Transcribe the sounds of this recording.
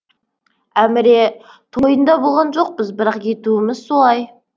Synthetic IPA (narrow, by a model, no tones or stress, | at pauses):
æmɪɾe̞ | t̪ʰojənd̪ɑbolˠʁɑnʒo̞q̚pɪzbɪɾɑqje̞t̪uɪmɪzso̞lˠɑj